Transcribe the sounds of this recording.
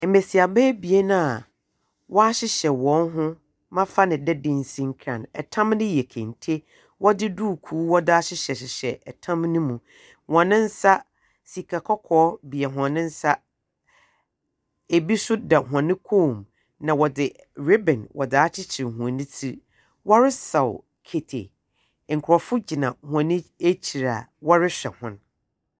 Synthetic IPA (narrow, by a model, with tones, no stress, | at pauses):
m̩˨me˨si˨a˨bɛ˦bi˨e˦nã˦a˨ | wɔ˦a˦ɕɪ˦ɕɛ˨wɔ̃˨˦nɦʊ̃˦ | mã˦fa˦nɪ̃˨dɛ˦dɪ̃˦n˦sĩ˦ŋ̩˦kʰɾã̰˨nɛ˨tʰã˦mnɪ̃˦jɛ˨kʰɛ̰̃˨ntʰe˦ | wʔɔ˦dɪ˦duː˦˨kʰuː˨˦wɔ˦dɪ˦a˦ɕɪ˦ɕɛ˨ɕɪ˨ɕɛ˨ʔɛ˨tʰã˦mnʊ̃˦mũ˨ | wɔ̃˨nɪ̃˦n̩˦sa˦ | si˨kʰa˨kʰɔ˦kʰɔː˦bi˨ɛ˨ɦã˨nɪ̃˦n̩˦sa˦ | e˨bi˦sʊ˦da˨ɦʷã˨nɪ̃˦kʰoː˦˨m | nã˨wɔ˨dɪ˨ | ɾe˦bɛ̃˨nwʔɔ̰˨daː˦t͡ɕʰɪ˦t͡ɕʰɪ˨hũ˨a˨nɪ̃˦tʰi˦ | wɔ˦ɾɪ˦sa˨w | kʰe˨tʰḛ˨ | ŋ̩˨kʰʊ˨ɾɔ˨fʊ˦d͡ʑi˨nã˨hʊ̃˨ã˨nɪ̃˦e˦t͡ɕʰi˨ɾa̰˨wɔ˦ɾɪ˦ɕᶣɛ̰˨hʊ̃˦n